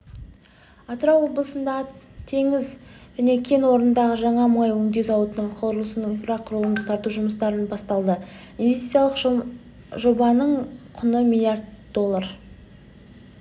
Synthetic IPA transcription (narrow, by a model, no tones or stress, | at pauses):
ɑt̪əɾɑwːo̞blˠəsənd̪ɑət̪ʰe̞ŋɪzʒ̥æne̞kʲʰe̞nwo̞ɾənd̪ɑʁəʒɑɴɑmɑjwɵŋd̪ezɑwət̪ənəɴqʰoɾəlˠəsənəinfraqʰʊɾlˠənd̪ət̪ʰɑɾt̪uʒʊməst̪ɑɾənbɑst̪ɑlˠd̪ə | invʲest̪i̥t̪jalˠəq | ʒo̞bɑnəɴqʰʊnəmʲilˠjard̪̚d̪o̞lˠːar